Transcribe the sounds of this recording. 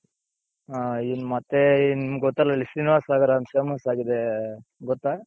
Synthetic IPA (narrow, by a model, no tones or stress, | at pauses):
ainmɐt̪ːenimɡɔt̪ːɐlːɐlisiniʋaːsaːɡɐɾɐɐmsemɐsaːɡid̪eɡɔt̪ːa